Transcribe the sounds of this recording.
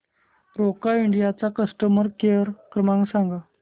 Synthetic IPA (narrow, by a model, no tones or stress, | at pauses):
ɾokaiɳɖijat͡sakəsʈəməɾkeɾkɾəmãŋɡsãŋɡa